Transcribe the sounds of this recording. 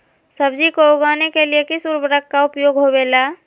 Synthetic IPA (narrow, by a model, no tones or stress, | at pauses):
səbd͡ʒikooɡaːnekeliekisuɾbəɾəkːaʊpjoːɡɦobela